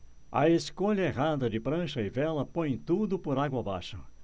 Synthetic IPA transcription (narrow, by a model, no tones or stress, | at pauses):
ɐ̰eskoʎɐeɦad̪ɐd͡ʒɪpɾɐ̃ʃɐɪvɛlɐpõj̃t̪ud̪ʊpoɾaɡwɐba̰ʃɐ